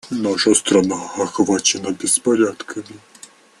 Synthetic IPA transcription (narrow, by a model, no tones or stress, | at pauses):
naʂɐst̪ɾɐnaɐxvat͡ɕɪnɐbʲɪspɐɾʲat̪kʰəmʲɪ